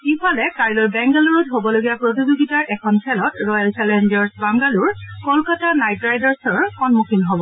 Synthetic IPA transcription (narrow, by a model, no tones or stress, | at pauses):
ifʰalɛkaɹilɔɹbɛŋɡaluɹɔtɦobɔloɡijapɹot̬izoɡitaɹʔɛkʰɔnpʰɛlɔtɹɔjalt͡ʃɛlɛndɔɹsbaŋɡaluɹkɔlkatanajtɹajdaɹsɔɹxɔnmukʰinɦobɔ